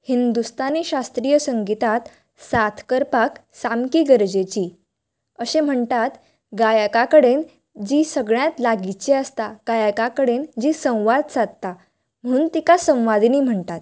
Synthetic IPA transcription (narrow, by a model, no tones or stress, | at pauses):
hind̪ust̪aneɕast̪ɾijəsəŋɡit̪at̪ | sat̪ʰkəɾpaksamkiːɡəɾd͡ʑet͡ɕiː | əɕem̤əɳt̪at̪ | ɡajakakəɽen | d͡ʑiːsəɡɭjat̪laɡit͡ɕeəst̪aɡ̥ajakakəɽend͡ʑiːsə̃w̃ʋad̪̚t͡sat̪̚t̪a | m̤əɽ̃uːnt̪ikasə̃w̃ʋad̪iniːm̤əɳt̪at̪̚